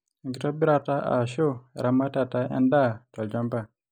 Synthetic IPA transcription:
ɡi˨tɔ˦bi˦ɾa˨ta˦ʔa̰˨ʃo˦˨ɾa˨ma˦ta˨ta˦ɛ̰̃˦nda˦˨tɔ˨ld͡ʒɔ˦mba˦˨

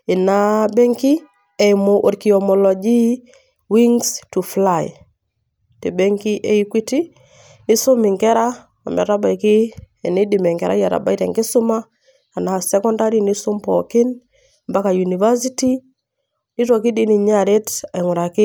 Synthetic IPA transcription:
i˨nabɛ˦ŋki˦ | e˨imo˨ʔo˨ɾki˨ɔmɔlɔ˨d͡ʒi˦ | wiŋstu˨flaj | te˨bɛ˦ŋki˦ʔe˨ikwi˦ti˦ | ni˦so˦mi˨ŋkɛ˦ɾa˦ | ɔ̰˨mɛ̰˨ta˦ba˨iki˦e˨ni˦di˨mɛ˨ŋkɛ˨ɾa̰˦ja˨ɾa̰˨ba˦i˦tɛ̰˨ŋkɪ˦sʊ˦ma˦ | a˨na˨sɛ˦kɔ˦nda˦ɾi˦ni˦su˦mpɔkɪ˦n | mba˦ka˨ju˨ni˨va˦s̬i˦ti˦ | ni˦tɔ˨ki˦di˦ni˨ɲa˦ɾe˦ta˨ŋʊ˨ɾa˨kɪ˦

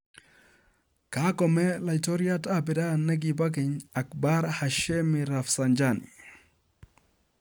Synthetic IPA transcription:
kakɔmɛ˦la˨ito˦ɾja˦tabɛ˨da˦nɛ˦ɡiba˦k̬ɪ˨ɲa˨kba˦ɾhaʃe˦miɾafsand͡ʒanḭ˨

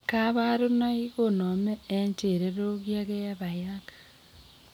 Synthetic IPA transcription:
ka˦βa˦ɾu˦na˦i˦ɣo˦˨no˨me˦e˦ɲt͡ʃe˨ɾeɾo˦ɣja˦ɣe˦ja˦βa˨jakḁ

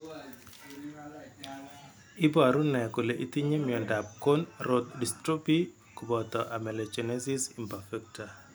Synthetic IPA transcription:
ɪ˦ba˨ɾu˦nɛ˨kʊ˨le˨ʔi˦t̪i˦ɲe˦mɪɔ˨nda˨p̚ko˦nɾo˦t̪̚di˨stɾo˦pi˦ | ku˨bɔ˨t̪ɔ˨ʔa˨mɛ˨lɛ˨t͡ʃɔ˨ne˦si˦si˨mpa˨fɛ˦k̚ta˨

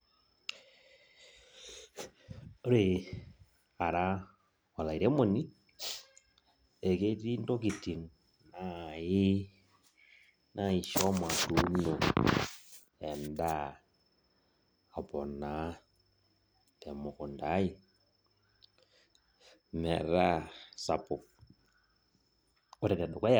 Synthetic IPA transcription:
o˦ɾe˨ | a˨ɾa˦ | ɔ˨la˨i˨ɾe˦mo˨ni˦ | e˨ke˦ti˦nto˦ki˨ti˨n | na˦i˦ | nʔa˨˦i˨ʃɔ˦ma˨tu˨˦no˨ | ɛ˨nda˦˨ | pɔ˨na˨˦ | tɛ˨mɔ˨kɔ˨nda˨˦i˦ | mɛ̰˨ɾa˦sa˨po˨ | ɔ˦ɾɛ˨tɛ˨ɗɔ˨ka˦j

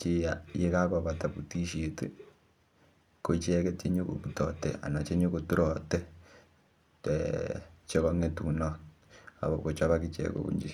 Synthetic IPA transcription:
t͡ʃi˦jaje˦ka˦kɔ˨βa˨ta˨pu˨ti˦ʃetḛ | ko˨t͡ʃɛ˦ke˦t͡ʃe˦ɲo˦ko̰˨βutɔ˨tḛa̰˨na˨t͡ʃe˦ɲo˦kotu˦ɾɔ˨te˦ | t͡ʃo˦kɔ˦ŋe˦tu˨nɔ | a˨βko˨t͡ʃa˦βa˦ki˦t͡ʃɛ̰˨ko̰˨kṵ˦ɲd͡ʒḭ

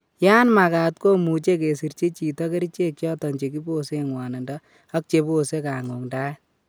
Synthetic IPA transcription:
jaː˦nma˨ka˨tko˦mu˨t͡ʃe˦ke˨si˨ɾt͡ʃe˦t͡ʃi˨tɔ˦ke˦ɾi˦t͡ʃe˦kjɔ˦tɔ˨ɲt͡ʃe˨ki˦bo˦se˦ŋwa˨na˨ndɔ | a˦k̚t͡ʃe˨po˦se˦kaː˨ŋo˨ŋda˦

